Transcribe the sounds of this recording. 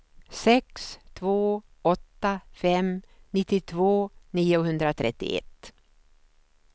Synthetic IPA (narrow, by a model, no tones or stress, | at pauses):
sɛkst̪ʰvoː | ɔt̪ːafɛm | nɪt̪ːɪt̪ʰvoːniːʊɦɵnd̪ɾat̪ʰɾɛt̪ːɪ̰ʔɛ̰t̪ː